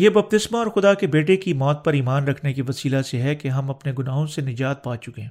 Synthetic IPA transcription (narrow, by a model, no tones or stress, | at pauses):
jeːbɐb̚t̪ɪsmaɔːɾxʊd̪akebeːʈekimɔːt̪̚pɐɾiːmaːnɾɐkʰnekiʋɐsiːlaseɦɛkeɦɐmɐpneɡʊnaːɦõsenɪd͡ʒaːt̪̚baːt͡ʃʊkẽː